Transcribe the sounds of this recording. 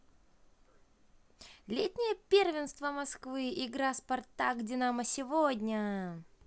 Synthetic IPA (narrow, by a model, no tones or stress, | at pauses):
lʲetʲnʲɪjəpʲervʲɪnst̪vəmɐskvɨɪɡɾaspɐrt̪aɡdʲɪnaməsʲɪvodʲnʲə